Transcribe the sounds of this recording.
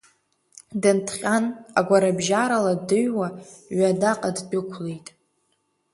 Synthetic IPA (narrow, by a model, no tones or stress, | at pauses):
dɨntʰχʲanaɡʷaɾabʒaɾaladɨɥwaɥadaqʼaddɨkʷʰlejtʼ